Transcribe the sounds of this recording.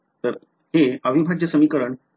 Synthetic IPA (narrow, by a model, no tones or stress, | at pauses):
t̪əɾ | ɦeəʋibʱaʈd͡ʑəsəmikəɾəɳ